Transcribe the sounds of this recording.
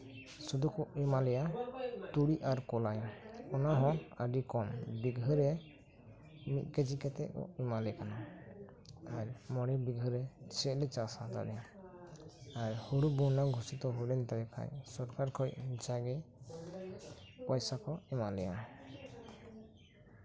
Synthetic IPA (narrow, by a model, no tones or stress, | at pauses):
sud̪ukɔimalɛjat̪uɽiʔaɾkɔlajɔɔnaɦɔ̃əɖikɔmbiɡɦɯɾɛ | mit̪̚ˀkɛd͡ʒikɛt̪ɛkɔ̰imalɛkana | aɾmɔɽɛbiɡɦɯɾɛsɛʔlɛt͡ʃasat̪a̰ɾɛ | aɾhuɽubunaɡʱusit̪ɔɦɔjɾɛnt̪alɛkʰa̰jsɔɾkaɾkʰɔjd͡ʒaɡɛ | pɔjsakɔimalɛja